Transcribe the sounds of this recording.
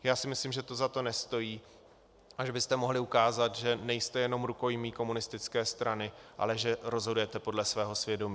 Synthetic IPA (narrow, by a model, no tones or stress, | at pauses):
jaːsɪmɪslimʒɛt̪ozat̪onɛst̪o̞jiː | ʔaʒɛbɪst̪ɛmo̞ɦlɪukaːzat̪ʒɛnɛjst̪ɛjɛno̞mɾuko̞jmiːko̞munɪst̪ɪt͡skɛːst̪ɾanɪʔa̰lɛʒɛɾo̞zɦodujɛt̪ɛpo̞dlɛsvɛːɦo̞svjɛdo̞miː